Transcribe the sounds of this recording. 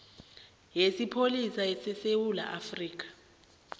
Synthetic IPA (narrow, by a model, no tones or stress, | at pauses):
jesipʰolisaɛsɛsewula̰ʔafriːk̬ḁ